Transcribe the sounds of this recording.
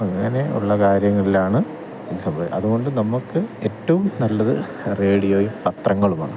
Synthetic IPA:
ɐŋːɐne̞ṵɭːɐkaːɾjɐŋːɐɭilaːɳɨ | pud̪isɐmbʱɐʋḭʔɐðuɣo̞ɳɖɨnɐmːukːɨe̞tːɐʋumnɐlːɐðɨ̰ | re̞ːɽijoːjumpɐt̪rɐŋːɐɭuma̰ːɳɨ

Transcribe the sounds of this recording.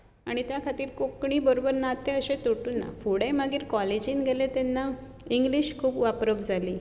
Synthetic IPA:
aɽ̃it̪jakʰat̪iːɾkokɳiːbəɾobəɾnat̪eəɕet̪oʈuːnːa̰fuɽeməɡiːɾkɔled͡ʑiːnɡʱelet̪enːa | iŋɡliɕkʰuːpʋapɾəbd͡zʱaliː

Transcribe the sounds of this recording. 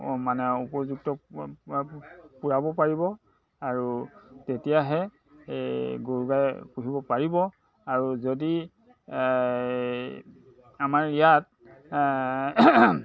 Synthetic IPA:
manɛupɔzuk̚tɔ | puɹabɔpaɹibɔ | aɹutetijaɦɛ | ɡoɹuɡajpuɦibɔpaɹibɔ | aɹuzodi | amaɹijat̚

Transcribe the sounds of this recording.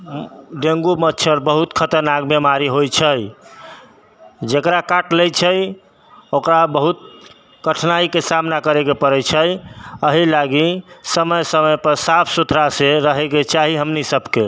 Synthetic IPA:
ɖeŋɡumətːʃʰəɾbəɦut̪kʰət̪əɾnakbemaɾiɦojt͡ʃʰəj | d͡ʒekɾakaʈlɛjt͡ʃʰəj | okɾabəɦut̪̚ | kəʈʰnaikesamnakəɾekepəɾɛt͡ʃʰəjəɦilaɡisəməjsəməjpəɾsapʰsut̪ʰɾaseɾəɦɛket͡ʃaɦiɦəmnisəbʱke

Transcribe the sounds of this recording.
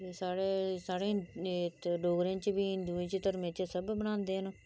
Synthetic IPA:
eːsaːɽeːsaːɽeː | ɖoːɡɾẽːt͡ʃbiːɪnd̪uːẽːt͡ʃət̪əɾmẽːt͡ʃəsəbbənãːnd̪eːɦən

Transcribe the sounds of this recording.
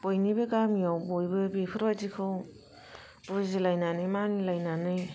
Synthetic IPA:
b̥ojnibeɡamiawbojbɯbepʰɯɾbazikʰɯw | buzilajnanɯjmanilajnanɯj

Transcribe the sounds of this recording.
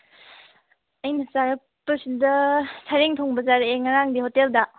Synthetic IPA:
ɐjnɐsaɾɐ | pːɐsidɐsʰaɾeŋtʰoŋbɐzaɾeŋaɾaŋdihoteldɐ

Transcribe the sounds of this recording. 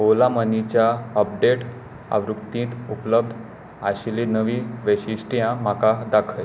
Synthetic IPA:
ɦolamənit͡ɕjaəp̚ɖeʈ | a̰ʋɾuk̚t̪ĩːt̪upləb̚d̪ʱ | aɕlinəʋiːʋəɕiɕʈijãm̤akad̪akʰəj

